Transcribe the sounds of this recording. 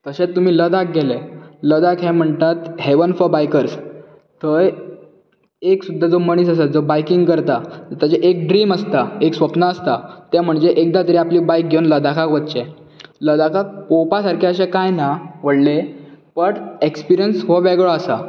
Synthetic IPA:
t̪əɕet̪ːum̤iːləd̪ak̚ɡeleləd̪akɦẽm̤əɳt̪at̪ɦeʋənfəbajkəɾs | t̪əɾ | eksud̪ʱːad͡zoməɳ̃iːsəsəd͡zobajkiŋɡkəɾt̪at̪ət̪jat͡ɕeʔek̚ɖɾiːməst̪aeksʋəpnaəst̪at̪ɛm̤əɳd͡zeʔek̚d̪at̪əɾiapliːbajk̚ɡʱewnləd̪akʰakʋət̪t͡ɕe | ləd̪akʰakːopasaɾkʰeəɕẽkajnaʋ̤əɽlepəɽekspiɾijənsʋəʋeɡɭoəsa̰

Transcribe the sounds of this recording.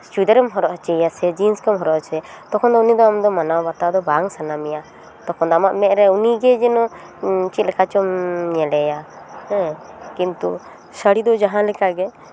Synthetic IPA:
st͡ʃud̪ɛɾɛmɦɔɾɔʔt͡ʃɛjasɛd͡ʒinskəmɦɔɾɔʔt͡ʃʰɛ | t̪ɔkʰɔnd̪ɔunid̪ɔamd̪ɔmanawbat̪ad̪ɔbaŋsanamɛja | t̪ɔkʰɔnd̪ɔamaʔmɛ̃ʔɾɛuniɡɛd͡ʒɛnɔ̃ | t͡ʃit̪̚lɛkʰat͡ʃɔmɲɛlɛja | hɛ̃ | kint̪u | səɽid̪ɔd͡ʒaɦãlɛkaɡɛ

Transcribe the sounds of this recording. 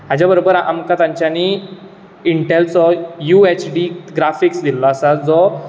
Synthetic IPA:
mad͡ʑjabəɾobəɾa̰mkat̪ãɲt͡ɕjani | iɳʈelsɔjuet͡ɕɖiɡɾafiksd̪ilːɔəsad͡zɔ

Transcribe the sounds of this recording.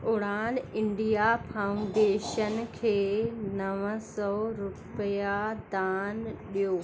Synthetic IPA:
ʊɽaːnɪ̃ɳɖijapʰauɳɖeːʃənkʰeːnɐʋəsɔɾʊpjad̪aːnɗijoː

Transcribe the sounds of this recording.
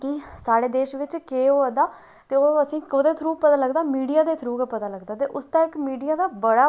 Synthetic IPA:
kisaːɽeːd̪eːʃʋɪt͡ʃkeːoːəd̪aː | t̪eːoːəsĩːoːd̪eːt̪ʰɾuːpət̪aːləɡd̪aːmiːɖijaːd̪eːt̪ʰɾuːkːpət̪aːləɡd̪aːt̪eːʔʊst̪ãːɪkmiːɖijaːd̪aːbəɽaː

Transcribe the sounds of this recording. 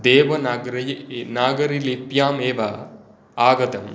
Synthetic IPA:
d̪eːʋɐnɡɾɐjnaːɡɐɾilipjaːmeːʋɐ | aːɡɐt̪ɐm

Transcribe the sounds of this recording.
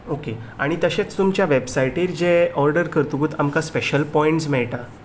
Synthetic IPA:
okeaɽ̃it̪əɕẽt͡st̪umt͡ɕjaʋebsaiʈiːɾd͡ʑeɔɾɖəɾkəɾt̪uɡuːt̪amkaspeɕəlpɔiɳʈsmɛɭʈã

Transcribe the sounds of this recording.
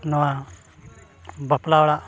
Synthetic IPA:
nɔwa | bəplawɽaʔ

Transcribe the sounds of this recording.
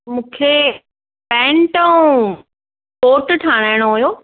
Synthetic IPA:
mũːkʰe | pɛ̃ːɳʈəũ | poːʈʈʰaːɽ̃aːɪɽ̃oɦujoː

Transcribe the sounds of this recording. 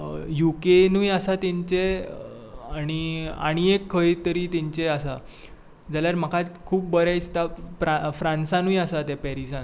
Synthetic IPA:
jukenujasat̪ĩɲt͡ɕe | aɽ̃ia̰ɽ̃iekʰːəjt̪əɾiːt̪iɲt͡ɕeəsa | d͡zaljaɾm̤əkʰat͡skʰuːp̚bəɾajt͡st̪afɾafɾãnsãnũjəsat̪epɛɾisãn

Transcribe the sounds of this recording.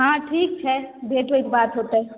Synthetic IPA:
ɦãːʈʰiːk̚t͡ʃʰɛbʱeːʈʋeit̪baːt̪ɦot̪eɦɛ

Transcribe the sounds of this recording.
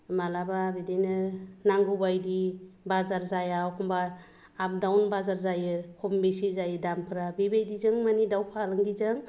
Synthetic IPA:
malababidijnɯnaŋɡubajdibazaɾzajawkʰɔmbaː | p̚dawnbazaɾzajɯkʰɔmbisizajɯdampʰɯɾabibejdizɯŋmanidawpʰalɯŋɡizɯŋ

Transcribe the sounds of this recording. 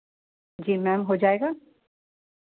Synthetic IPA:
d͡ʒiːmɛːmɦod͡ʒaːeːɡaː

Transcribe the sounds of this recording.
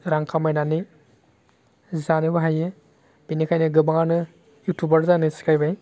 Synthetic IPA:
ɾaŋkʰamajnani | zanɯbaɦaje | b̥inikʰajnɯɡɯbaŋanɯ | jutʰubaɾzanɯskɾajbaj

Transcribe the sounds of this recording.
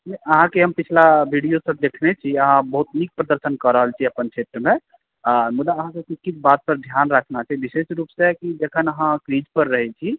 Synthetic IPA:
nɛəɦãkeɦəmpit͡ʃʰlabʱiɖijosəb̚d̪ekʰnet͡ʃʰiəɦãbəɦut̪nik̚pɾəd̪əɾsənkəɾəɦəlt͡ʃʰiəpənt͡ʃʰeʈɾmẽ | ɾmud̪aəɦãsəbikisʰbat̪̚pəɾd̪ʱjanɾəkʰnat͡ʃʰaɦibisesɾuːpsekid͡ʒekʰənəɦãkɾid͡ʒpəɾːəɦɛt͡ʃʰi

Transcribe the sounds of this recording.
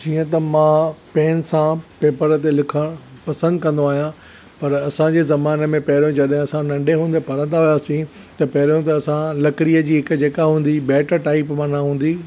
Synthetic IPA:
d͡ʑiːə̃t̪ɐmãːpɛːnsãpeːpəɾt̪elɪkʰəɽ̃pɐsə̃nd̪kɐ̃nd̪oaːɦijã | pɐɾɐsãd͡ʑeːzɐmaːnemẽpɐɦɪɾjõd͡ʑɐɗɦɪ̃ɐsãnɐ̃ɳɖeɦũːnd̪epɐɾə̃nd̪aɦʊjaːsĩ | t̪ɐpɐɦɪɾjõt̪ɐːsãlɐkɪɽiːəd͡ʑiːɦɪkd͡ʑeːkaɦũːn̆d̪ibɛːʈəɾʈaːɪpmãnaɦũːn̆d̪i

